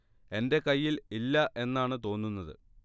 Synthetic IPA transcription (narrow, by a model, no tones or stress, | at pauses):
e̞nde̞kɐjːililːɐʔe̞nːaːɳɨt̪o̞ːnːunːɐðɨ̰